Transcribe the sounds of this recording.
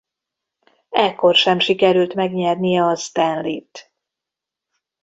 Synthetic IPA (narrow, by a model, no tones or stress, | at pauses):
ɛkːo̞rʃɛmʃikɛɾylt̪mɛɡɲɛrnijɛɒst̪ɛnlit̪